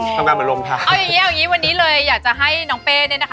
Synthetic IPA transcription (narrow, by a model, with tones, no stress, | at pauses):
t̪ʰa˧ŋaː˧nmɯ˨˩˦ɾo˧mt̪ʰaː˧˩ʔɔ˦˩wja˨˩ŋːi˦˥ʔa˧˨˩ŋːiː˦˥wa˧nːiː˦˥lɤː˧jːaː˨˩k̚t͡ɕa˨˩ɦa˥˩jnɔː˦ŋpeː˧nː˥˩˨na˦˥kʰa˥